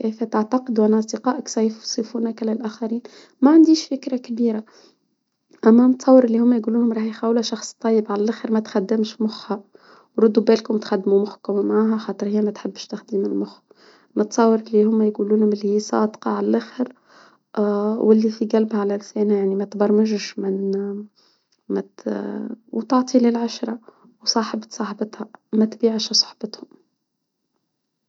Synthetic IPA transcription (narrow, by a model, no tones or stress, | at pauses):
kæjfæt̪aʕt̪ɑqɪd̪uʔænʔɑsˤd̪ɪqɑːʔəksˤɑjfsˤifuːnækælælʔæːxæɾiːn | mæʕand̪iːʃfɪkɾakbiːɾa | ʔæmːænt̪sˤɑwːəɾɪlːihʊmːæjɡuːluːnhʊmɾˤɑːħjxæːwlæʃɑxsˤt̪ˤːɑjːəbʕalælʔaxəɾmæt̪xad̪ːɪmʃmʊxha | wɾˤʊd̪ubæːlkʊmt̪xad̪ːmumʊħkʊmmʕaːɦæxɑːt̪ˤɨɾhɪjːæmæt̪ħɪbːʃt̪axd̪iːmɪlmʊx | nət̪sˤɑwːɑɾˤʔɪlːihʊmːæjɡuːluːnhʊmɪlːihiːsˤɑ̰ːd̪qɑʕalælʔæːxəɾ | wʔɪlːifiɡælbhæʕalælsɛːnæjaʕnimæt̪bɑɾˤməʒʃmɪn | mæ | wt̪oʕt̪ˤilɪlʕaʃɾˤɑ | wsˤɑːħəbt̪sˤɑːħbɑt̪hæmæt̪biːʕʃsˤɑ̥ħbɑt̪hʊm